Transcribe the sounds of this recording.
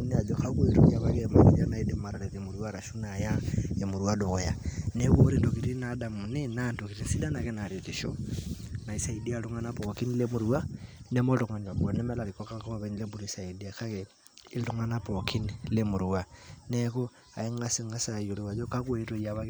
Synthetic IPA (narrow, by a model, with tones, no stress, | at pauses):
ni˦a˨d͡ʒɔkakweɾo̰˨ja˨βa˦kema˨ɾia˦na˨i˦de˨maɾa˨ɾe˨ðimu˨ɾu˦a˦ɾa˨ʃu˦naja˦e˨mu˨ɾu˦ado˨ɣɔ˨ja˨ne˦ko˦ɾi˦ndo˨ki˨ɾi˦nada˨mu˨ninando˨ki˨ɾi˦nsi˦da˦na˨kɛ˦na˨ɾeki˨ʃo̰ | na˨i˦sa˨i˨di˦a˦lu˦ŋa˦na˦poki˦nle˦mu˨ɾuwa˦ne˦mɔ˦to˨ŋa˨ɲ˨a˨bɔ˨nɛ˦mɛ˦la˨ɾi˨kɔ˦ka˦ko˦a˨βɛ˦ɲile˦bu˦ɾisa˨i˨di˦aka˦ke | i˦lu˦ŋa˦na˦pɔ˨kʰi˦nlemu˨ɾuwanɛko˦ | a˨i˦ŋa˦si˦ŋa˦sa˨jo˨li˨wa˨d͡ʒo˦ka˦kweto˨iaβa˦k